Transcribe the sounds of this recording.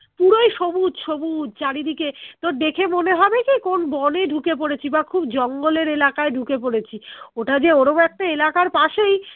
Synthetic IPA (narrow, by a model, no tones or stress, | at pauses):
puɽojʃomud̪ʃomud̪t͡ɕaɽid̪iket̪od̪ekʰemoneɦɔbekikonbɔneɖʱukepoɽet͡ɕʰibakʰubd͡ʑɔŋɡoleɾelakaeɖʱukepoɽet͡ɕʰioʈad͡ʑeoɾobɛk̚ʈaelakaɾpaʃej